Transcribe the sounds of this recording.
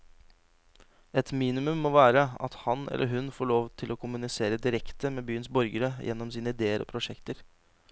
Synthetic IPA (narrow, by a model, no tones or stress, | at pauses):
ɛt̪miːnɪmʉmːoːʋæːɾəɑ̰t̪hɑnɛ̰lʔəɾɦʉnfoːɭoːʋt̪ʰɪlokʰʊmʉnɪseːɾəd̪ɪɾɛkt̪əmeːbyːənsbɔɾɡəɾəjʔɛnːɔmsiːnəɪd̪eːəɾɔ̰ːpʰɾʊʂɛkt̪əɾ